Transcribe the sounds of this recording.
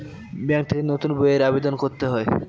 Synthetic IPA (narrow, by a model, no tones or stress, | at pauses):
bɛŋt̪ʰekenot̪unboeɾabed̪onkoɾt̪eɦɔe